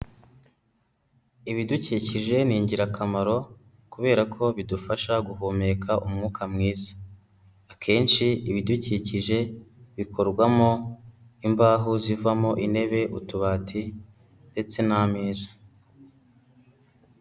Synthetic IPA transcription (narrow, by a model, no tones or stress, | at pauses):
iβiduciːciʒe̞niːɲɟiɾakʰamaɾo̞ | kuβe̞ːɾakʰo̞βidufaʃaɡuɦoːme̞kʰaʔumŋuːkʰamŋiːzḁ | akʰe̞ːnʃiiβiduciciʒe̞βikʰo̞ɾɡwamo̞ | imbaːɦuzivamo̞ʔine̞βe̞ʔutuβaːtʰi | nde̞t͡se̞nameːzḁ